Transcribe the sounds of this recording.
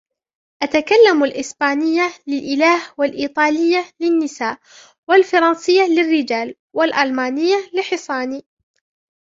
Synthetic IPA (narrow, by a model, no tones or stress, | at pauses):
ʔat̪akalːamalʔɪsbaːnɪjːalɪlʔɪlaːhwalʔiːt̪ˤɑːlɪjːalɪnːɪsaːʔ | walfɑɾˤɑnsɪjːalɪrːɪd͡ʒaːl | walʔalmaːnɪjːalɪħɪsˤɑːniː